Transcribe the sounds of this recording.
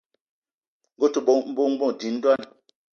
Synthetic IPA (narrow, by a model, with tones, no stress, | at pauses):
ŋ̩ɡo˦tu˨ɓo˦m̩˦bo˦ŋ˦bɔ̃˦˨di˨˦n̩˦dwa˦˨n˨